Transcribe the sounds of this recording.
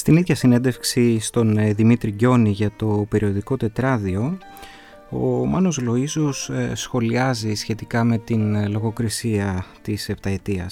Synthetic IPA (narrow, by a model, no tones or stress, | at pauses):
st̪iniðʝɐsine̞nd̪e̞fksist̪o̞nðimit̪ɾiɟo̞niʝɐt̪o̞pe̞ɾio̞ðiko̞t̪e̞t̪ɾɐðio̞ | o̰mɐno̞zlo̞izossxo̞liɐzisçe̞t̪ikɐme̞t̪inlo̞ɣo̞kɾisiɐt̪ise̞pt̪ɐe̞t̪iɐ̰s